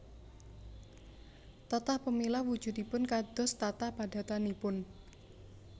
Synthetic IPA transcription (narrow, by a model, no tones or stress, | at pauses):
t̪ɔt̪ahpəmilawu̥ʒ̥ṳt̪ipʊnkad̪̥ɔ̤st̪at̪ahpad̥a̤t̪anipʊn